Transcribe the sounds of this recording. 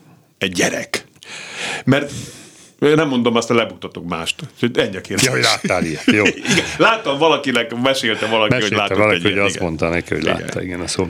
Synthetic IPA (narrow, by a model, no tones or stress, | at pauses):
ɛɟːɛɾɛ̰k | mɛrt̪ | enɛmːo̞nd̪o̞mɒst̪ɛlɛbuk̚t̪ːɒt̪okmaːʃt̪ucho̞ɟɛɲːɒkeːɾɦolaːt̪ːaːliɛjoiɡɛlaːt̪ːɒɱvɒlɒkinɛkmɛʃeːlt̪ɛvɒlɒkmɛʃiolaːtɛɒlihoɒst̪mont̪ɒnɛkioɟla̰ːt̪ːɒ̰iɡɛnɒsoː